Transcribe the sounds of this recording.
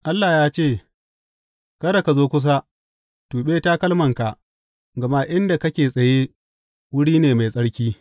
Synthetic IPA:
ʔa˦lːaː˨jaː˦t͡ʃeː˦˨ | kɐ˦ɾa˨ka˨zoː˦kʷʊ˦s̬a˦ | tuː˨ɓeː˦ta˦kɐ˦lmɐ˨ŋka˨ʔ | ɡɐ˨ma˦ʔɪ˦nda˨kɐ˦kʲeː˨sʼɐ˨je˦ | wʊ˦ɽiː˦neː˨ma˨jsʼɐ˦ɽkʲiː˦

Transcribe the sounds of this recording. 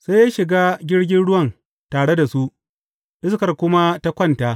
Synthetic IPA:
sa˦ja˦ʃɪ˨ɡaː˦ɡʲɪ˦ɽɡʲɪ˦nɽʊ˦wɐ˦˨n | taː˨ɽe˦da˨su˦ʔ | ʔɪ˦skɐ˨rkʷʊ˦ma˦ta˦kʷɐ˦ntaː˦

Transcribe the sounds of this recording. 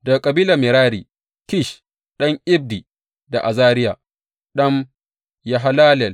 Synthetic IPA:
dɐ˨kʼɐ˨biː˦la˨mɪ˨ɾaː˦ɾiː˨ | kɪ˦˨ʃ | ɗɐ˦ŋʔɪ˦b̚di˨ | da˨ʔa˨zaː˦ɾɪ˦jaː˨ | ɗɐ˦m | ja˨ɦa˦laː˦lɛ˨l

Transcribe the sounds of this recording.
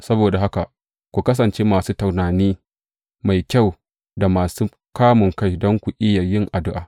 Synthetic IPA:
sɐ˦boː˨da˨ɦa˦ka˨ | kʷu˨kɐ˦s̬ɐ˨nt͡ʃeː˦maː˨suː˦ta˨wnaː˨niː˦ | ma˨jkʲa˦˨w | da˨maː˨suː˦ | kaː˦mʊ˨ŋka˦jdɔ˦ŋkʷu˨ʔɪ˦ja˨jɪ˦ŋʔa˨dʊ˦ʔaː˨

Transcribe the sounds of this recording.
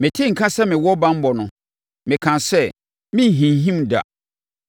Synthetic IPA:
mɪ̃˨tʰɪ˦ŋ̩˨kʰã˦sɛ˦mɪ̃˨wɔ˦bã˦m̩˦bɔ˨nʊ̃˨ | mɪ̃˨kʰã˨sɛ˦ | mɪ̃˦˨ɦĩ˨n˨ɦĩ˦mda̰˨

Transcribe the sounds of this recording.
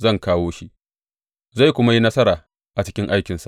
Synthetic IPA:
zɐ˦˨ŋkaː˦woː˦ʃi˦ʔ | za˦˨jkʷʊ˦ma˦ji˦nɐ˦sɐ˦ɾaː˨ | ʔa˨t͡ʃɪ˦kʲɪ˦ŋʔa˦jkʲɪ˨nsa̰˨ʔ

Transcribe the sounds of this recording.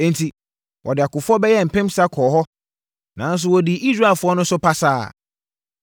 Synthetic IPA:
ẽ˦n˨tʰi˨ | wʔɔ˨dɪ˨a˨kʊ˨fɔ˦bɛ˦jɛ˦˨m̩˨pʰɛ̃˦msa˦kʰɔː˨ɦɔ˦ | nã˨˦n̩˦s̬ʊ˦wɔ˨dɪ˨ʔi˦sɾa˦e˨lfʊ˦ɔ˦nʊ̃˦sʊ˦pʰa˦saː˦˨

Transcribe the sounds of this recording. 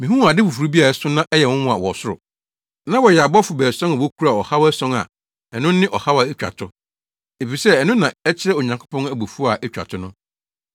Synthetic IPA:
mĩ˨ɦũ˦˨a˨dɪ˦fu˨fu˨ɾu˦bi˦a˨ɛ˦sʊ˦nã˦ʔɛ˦jɛ˨wʊ̃˦wʊ̃˦a˨wɔ˨sʊ˦ɾʊ̰˨ | nã˦wɔ˨jɛ˨a˨bɔ˦fʊ˨bɛː˨sɔ̃˦n˨wo˦kʰu˦ɾa˨ɔ˨ha˦wæ˦sɔ̃˦ŋa̰˨ | ɛ˨nʊ̃˦nɪ̃˦ʔɔ˨ha˦wa˨e˦t͡ɕᶣa̰˨tʰʊ˦ | e˨fi˨sɛ˦ɛ˨nʊ̃˦nːã˨ɛ˦t͡ɕʰɪ˦ɾɛ˦o˨ɲã˨ŋkʰʊ˦pʰɔ̃˦næ˨bo˨fu˦a˨ʔɛ˦t͡ɕᶣa̰˨tʰʊ˦nʊ̃˦

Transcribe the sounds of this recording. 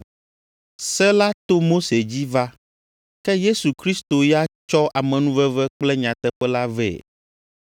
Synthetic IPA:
sɛ˦la˦t̪o˦mo˦se˨d͡ʑi˦va˦ | kɛ˦je˦su˨kɾi˦st̪o˨ja˦t͡ʃɔ˦ʔa˨mɛ̃˨nũ˦vɛ˦vɛ˦k͡plɛ˦ɲã˨t̪ɛ˦ɸɛ˦la˦vɛ̰˨

